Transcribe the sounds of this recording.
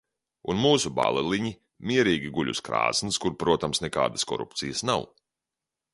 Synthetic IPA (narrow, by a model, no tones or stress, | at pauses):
unmuːsuba̰lˠɛlˠiɲi | mʲiɛɾiːɡʲiɡuʎʲṵskɾa̰ːsniskuɾpɾuɔt̪amsnɛka̰ːd̪əskɔ̰ɾṵpt̪sijəsnaw